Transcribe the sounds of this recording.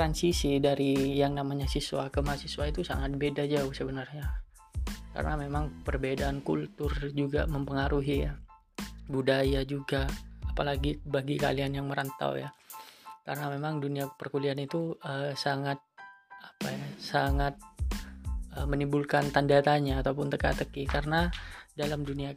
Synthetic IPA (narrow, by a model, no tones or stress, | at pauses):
t̪ɾansisidaɾijaŋnamaɲasisua̰kəmasiswait̪usa̰ŋat̪̚bedad͡ʒaʊhsəbənarɲa | ka̰ɾə̰namemaŋpərbedaːnkṵlt̪ʊrd͡ʒuɡa̰məmpəŋaɾuɦija̰ | budajad͡ʒuɡaapalaɡibaɡika̰lianjaŋməɾant̪a̰wja | kaɾənamemaŋduniapərkulianit̪uəsaŋat̪̚apajasaŋat̪̚ | əmənimbulkant̪andat̪aɲaːt̪awpʊnt̪əkat̪əkikarənadalamdunia